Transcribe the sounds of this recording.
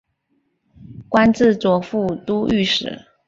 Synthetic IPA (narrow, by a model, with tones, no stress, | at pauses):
kwa˥nt͡sɹ̩˥˩t͡swɔ˨˩fu˥˩t̪u˥y˥˩ʂɻ̩̰˨˩˦